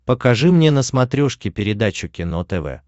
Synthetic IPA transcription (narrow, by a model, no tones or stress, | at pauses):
pəkɐʐɨmnʲenəsmɐt̪ɾʲoʂkʲɪpʲɪɾʲɪd̪at͡ɕʊkʲɪnot̪ɛvɛ̰